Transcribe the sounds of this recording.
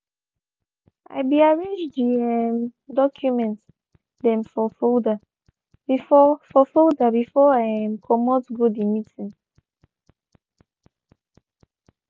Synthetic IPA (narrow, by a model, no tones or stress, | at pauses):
ʔa̰ɪbiaɹẽnd͡ʒdiɛmdɔkʰjumɛ̃nt | dɛ̃mfɔfolda | b̥ifɔfɔfoldabifɔãmkʰɔmɔtɡodimitĩŋ